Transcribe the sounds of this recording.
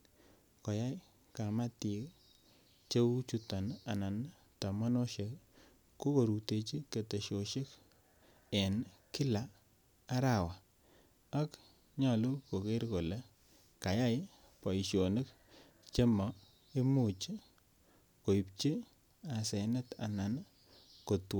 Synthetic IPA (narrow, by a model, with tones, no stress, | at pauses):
kɔ˨ja˦j | ka˨ma˦ti˨˦k | t͡ʃe˦wu˦t͡ʃu˦ta˨na˨na˨n | ta˨ma˦no˦ʃe˦k | ko˦ko˨ɾu˨te˨t͡ʃi˦ke˨te˨ʃo˨ʃe˦k | e˨nki˦laː˨˦ | ɾa˨wa˨ | a˦k | ɲa˨lo˦ko˨ke˦ɾko˨le˦ | ka˨ja˦j | pa˨i˨ʃo˨nɪ˦k | t͡ʃe˦mɔ˨˦ | i˦mu˦˨t͡ʃi˦ | ko˨i˨p̚t͡ʃi˦ | a˨sɛ˨nɛ˦ta̰˨na˨n | ko˨two˦